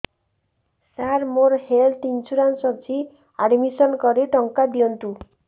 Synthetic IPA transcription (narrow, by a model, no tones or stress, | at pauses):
saɾmoɾhelʈint͡ʃuɾansɔb̚t͡ʃʰi | aɖmisɔnkɔɾeʈɔŋkad̪iɔnt̪u